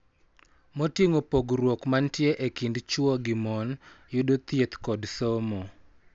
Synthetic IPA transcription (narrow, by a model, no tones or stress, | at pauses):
motiŋopoɡrwokmantjeʔekindt͡ʃwɔɡɪmɔnjʊdot̪jet̪kɔdsomɔ